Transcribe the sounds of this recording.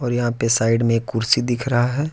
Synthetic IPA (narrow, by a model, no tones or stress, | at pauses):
ɔːɾjɐɦãpesaːɪɖmẽekːʊɾsid̪ɪkʰɾɐɦaɦɛː